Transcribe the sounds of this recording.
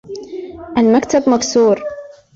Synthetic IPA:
ʔalmakt̪abmaksuːɾ

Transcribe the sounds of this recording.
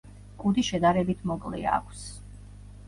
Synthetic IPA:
kʼud̪iʃɛd̪aɾɛbit̪ʰmɔkʼlḭa̰kʷʰs

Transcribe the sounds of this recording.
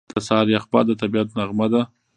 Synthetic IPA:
d̪̥əsɑɾjaxbɑ̰d̪ət̪abiat̪naɣmad̪a

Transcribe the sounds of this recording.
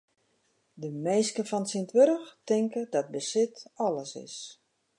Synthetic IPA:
dəmeːskəfɔnsintʋøɾəxtɪŋkədɔt̚bəsɪtɔləsɪ̰s

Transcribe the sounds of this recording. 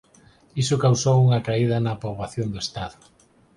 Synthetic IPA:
isʊkawsowuŋɐkaiðɐnɐpoβaθjond̪oest̪aðʊ

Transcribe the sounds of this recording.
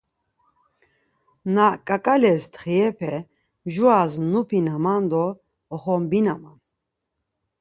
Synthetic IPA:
nakʼakʼalɛst̪χiɛpʰɛ | mʒuaznupʰinamand̪ɔː | χɔmbinaman

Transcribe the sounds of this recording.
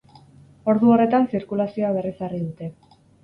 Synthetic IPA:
o̞ɾðuo̞re̞t̪ansiɾkulasio̞aβ̞e̞risariðut̪e̞

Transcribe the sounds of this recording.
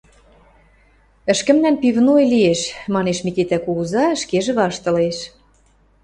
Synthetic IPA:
ə̆ʃkə̆mnænpivnojlieʃmɑneʃmikit̪ækuɣuzɑʃkeʒĕβɑʃt̪ɤ̆leʃ

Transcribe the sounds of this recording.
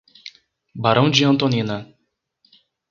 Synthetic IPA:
baɾɐ̃w̃d͡ʒɪɐ̃nt̪õnĩnɐ

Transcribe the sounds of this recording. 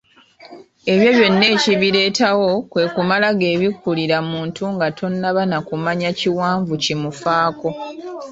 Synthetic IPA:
e̞βjo̞βjo̞nːe̞ːciβiɾe̞ːtawo̞kwe̞ːkumalaɡe̞ːβikːuliɾamuːntuŋɡatʰo̞nːaβanakumaɲaciwaːɱvucimufaːko̞

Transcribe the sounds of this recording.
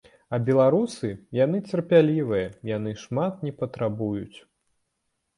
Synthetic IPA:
ɐbʲɛlˠaɾusɨjanɨt͡sʲɛrpʲalʲivɨjɐjan̪ɨʂmat̪̚nʲɛpɐt̪ɾabujut͡sʲ

